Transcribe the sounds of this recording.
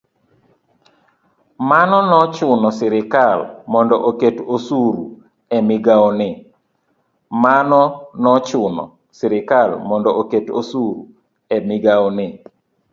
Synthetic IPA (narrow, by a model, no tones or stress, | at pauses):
manɔnɔt͡ʃʊnɔsɪɾɪkalmɔndɔʔoketosuɾṵ | ɛmɪɡaɔnɪ | manɔnɔt͡ʃʊnɔ̰ | sɪɾɪkalmɔndɔʔoketosuɾu | ɛmɪɡaɔnɪ